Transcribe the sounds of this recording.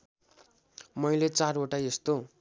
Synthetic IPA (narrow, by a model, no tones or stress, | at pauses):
mʌjlet͡saroʈaest̪o